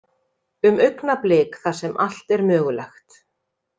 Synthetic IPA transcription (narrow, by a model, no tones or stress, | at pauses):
ʏmœɥknaplɪːkθḁsɛmʔal̥t̪ɛɾmœːɣʏlaxt̪